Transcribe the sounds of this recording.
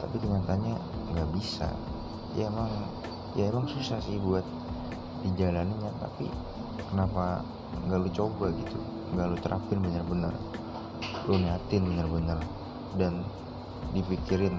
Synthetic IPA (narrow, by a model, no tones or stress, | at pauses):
t̪apik̪əɲat̪aɲaŋɡaʔbisa̰ | jaemaŋ | jaemaŋsusahsɪhbuat̪̚ | did͡ʒalaniɲat̪a̰pḭ | kənapa | ŋɡaʔlut͡ʃobaɡit̪u | ŋɡalut̪əɾʔa̰fɪnbənərbənə̰r | lonat̪ɪnbənərbənər | dan | difikɪɾɪn